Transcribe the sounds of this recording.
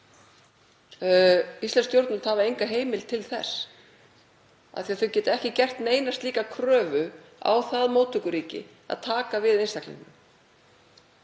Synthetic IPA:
ist̪ɛnst̪jowɾt̪nʏmt̪havaejŋkaɦeːjmɪlt̪ʰɪlθɛ̰s | a̰θiaðθœwcɛːt̪ɛhcɪcɛr̥t̪neːjnast̪liːkakʰɾœːvʏa̰wθaðmoːwt̪ʰʏkʏɾiːcɪ̰ | a̰ðt̪ʰaːkavɪðejnst̪aklḭnnʏm

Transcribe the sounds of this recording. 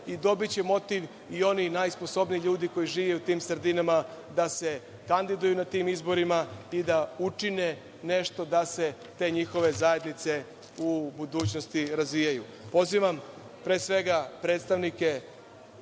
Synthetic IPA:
id̪o̞bit͡ɕe̞mo̞t̪iʋ | io̞ninajspo̞so̞bnijiʎuːd̪iko̞jiʒiːʋeut̪iːmsr̩d̪inamad̪ase̞ | kand̪id̪ujunat̪iːmizbo̞ɾimaid̪aut͡ʂine̞ | ne̞ʃt̪o̞d̪ase̞ | t̪e̞ːɲixo̞ʋe̞zaje̞d̪nit̪se̞ | ubud̪uːt͡ɕno̞st̪iɾazʋijaju | po̞ziʋam | pɾeːsʋe̞ɡapɾe̞ːt̪st̪aʋnike̞

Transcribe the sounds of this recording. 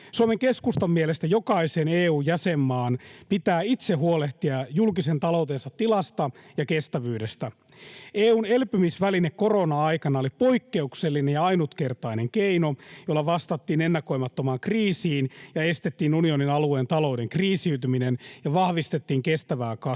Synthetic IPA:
suomeŋke̞skust̪omːielest̪æjo̞kɑiseneːuːjæsemːɑːnpit̪æːit̪seɦuoleht̪iɑjulkisent̪ɑlo̞wt̪ensɑt̪ːilɑst̪ɑjɑkest̪æʋyːdest̪æ | eːuːnelpymisʋælinekko̞ronɑɑjkɑnɑolipo̞ikːeukselːinejjɑɑinut̪ke̞rt̪ɑine̞ŋkeino̞jolːɑʋɑst̪ɑt̪ːiːnenːɑko̞jmɑt̪ːomɑːŋkriːsiːnjɑe̞st̪et̪ːiːnunio̞ninɑlue̞ːnt̪ɑlo̞wde̞ŋkriːsiyt̪yminenjɑʋɑhʋist̪e̞t̪ːiːŋkest̪æʋæːkɑ

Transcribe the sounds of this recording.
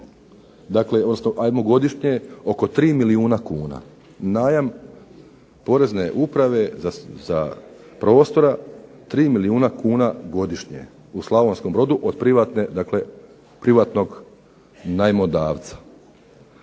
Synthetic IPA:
d̪akle̞o̞d̪nosnoʔajmoɡo̞d̪iʃɲeo̞ko̞t̪ɾiːmiliuːnakuːna̰ | naːjam | po̞ɾe̞zne̞ʔupɾaʋe̞aza̰ | pɾo̞ːst̪o̞ɾa | t̪ɾiːmiliuːnakuːnaɡo̞d̪iʃɲḛ | uslˠaʋo̞nsko̞mbɾo̞d̪uʔod̪pɾiʋat̪ned̪akle̞ | pɾiʋaːt̪no̞ɡ | najmod̪aːʋt̪sḁ

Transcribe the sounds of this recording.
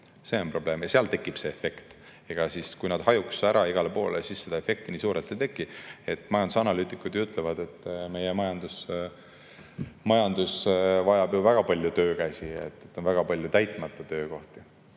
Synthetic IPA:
se̞o̞npro̞b̥le̞ːmjɑseɑlt̪e̞kːˑib̥se̞efe̞kt̪ | e̞ɡ̥ɑsiskujnɑd̪̥hɑjuksæɾʔɑiɡ̥ɑlepo̞ːleesisːe̞d̪ɑe̞fe̞k̚t̪iniːsuːɾet̪ːet̪e̞kːˑie̞t̪ːˑmɑjɑnd̪usɑnɑlyːt̪ːˑikːˑud̪jut̪ˑlevɑd̪e̞t̪ːme̞jemɑjɑnd̪̥us | mɑjɑnd̪usvɑjɑbjuvæɡ̥ɑpɑlʲjut̪ø̞ːkæsiet̪ːˑet̪ːˑo̞nvæɡ̥ɑpɑlʲjut̪æjt̪ˑmɑt̪ːˑɑt̪ø̞ːko̞ht̪i

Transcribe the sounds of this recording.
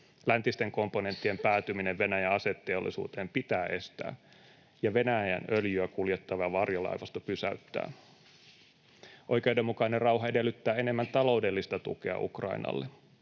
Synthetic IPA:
lænt̪ist̪e̞ŋko̞mpo̞ne̞nt̪ːiempæːt̪ymineʋʋe̞næjæɑset̪ːe̞o̰lːʔḭsṵːt̪e̞ːmpit̪æːʔe̞st̪æ̰ː | jɑʋe̞næjænøljyækuljet̪ːɑʋɑɑʋɑrjolɑ̰jʋɑst̪ɑpysæ̰yt̪ːæ̰ː | ʔo̞jke̞ude̞mːukɑinerrɑwɦɑe̞de̞lːyt̪ːæːe̞ne̞mːænt̪ɑlo̞wde̞lːist̪ɑt̪ṵke̞̰ɑ̰ʔṵkrɑ̰inɑ̰lːe

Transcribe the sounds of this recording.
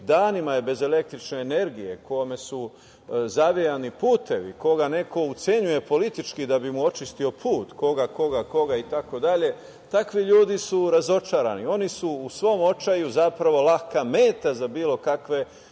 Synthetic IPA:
d̪aːnimajebe̞ze̞le̞k̚t̪ɾit͡ʃneːne̞ɾɡije̞kʰo̞me̞su | zaʋijanipuːt̪e̞ʋḭko̞ɡane̞ko̞ut̪se̞ɲuje̞po̞lit̪it͡ʃkid̪abimuo̞t͡ʃist̪io̞pʰuːt̪ko̞ɡako̞ɡako̞ɡait̪ako̞d̪aʎe̞ | t̪akʋiʎuːd̪isuɾazo̞t͡ʃaːɾa̰nio̞nisuːsʋo̞mo̞t͡ʃajuzapɾaʋo̞lakameːt̪azabiːlˠo̞kakʋe̞

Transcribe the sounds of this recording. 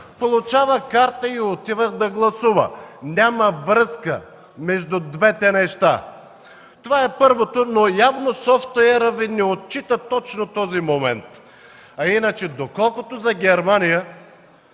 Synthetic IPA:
polˠʊt͡ʃavəkaɾt̪əiot̪ivəɣd̪ɐɡlˠɐsuvə̰nʲamɐvɾɤskə̰ | mɛʒd̪ʊd̪vɛt̪ɛnɛʃt̪a̰ | t̪ovaɛpɤɾvot̪onojavnosɔft̪ɛɾəvinɛot̪̚t͡ʃit̪ət̪ɔt͡ʃnot̪ɔzimomɛ̰nt̪ | ɐinət͡ʃɛd̪okɔlˠkot̪ozɐɡʲɛɾmanijə

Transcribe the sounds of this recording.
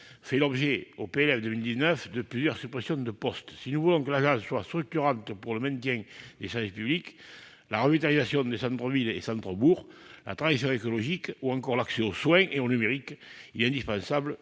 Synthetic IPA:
fɛlɔbʒeopeelɛvd̪əmild̪iznœfd̪əplyzjœʁsypχesjɔ̃d̪əpɔst̪sinuvulɔ̃kəlaʒɑ̃sswast̪χyk̚t̪yʁɑ̃nt̪əpuʁləmɛ̃nt̪̬jɛ̃d̪esɛʁvispyblik | laʁəvit̪alizasjɔ̃d̪esɑ̃nt̪χəvilḛsɑ̃nt̪χəbuʁla̰t̪χãisjɔ̃ekolɔʒikuɑ̃ŋkɔʁlakseoswɛ̃ʔeonymeʁikilɛt̪ɛ̃nd̪ispɑ̃sablə

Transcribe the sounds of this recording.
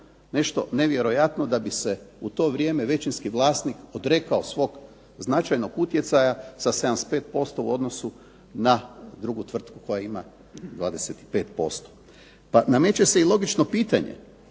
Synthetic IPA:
ne̞ʃt̪o̞̰ne̞ʋje̞ɾo̞jat̪nod̪abise̞ut̪o̞ːʋɾje̞ːmeʋe̞t͡ʃinskiʋlˠaːst̪nikod̪ɾe̞kaosʋo̞ːɡ | znat͡ʃajno̞ɡut̪je̞t̪sajasased̪amst̪pe̞ːt̪̚po̞st̪o̞uo̞d̪no̞su | nad̪ɾuɡut̪ʋr̩t̪kuko̞jaima̰ | d̪ʋaːd̪e̞set̪i̥pe̞ːt̪po̞̰st̪o̥ | paname̞t͡ʃeseilˠo̞ɡit͡ʃno̞piːt̪aɲḛ

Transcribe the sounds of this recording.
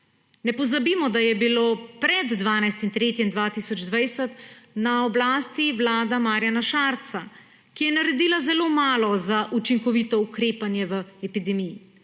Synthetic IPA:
nɛpɔzabimɔd̪ajɛbiloːpɾɛd̪d̪ʋaːnajst̪int̪ɾeːt̪jind̪ʋaːt̪isɔd͡ʒd̪ʋajsɛt̪naɔblaːst̪iʋlaːd̪amaːɾjanaʃaːɾt̪sa | kijɛnaɾɛd̪iːlazɛloːmaːlɔzaʔut͡ʃiŋkɔʋit̪ɔukɾeːpanjɛʋəɛpid̪ɛmiji

